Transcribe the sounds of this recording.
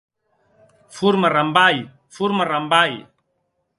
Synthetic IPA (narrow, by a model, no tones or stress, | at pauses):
fuɾmaɾambaj | fuɾmaɾambaj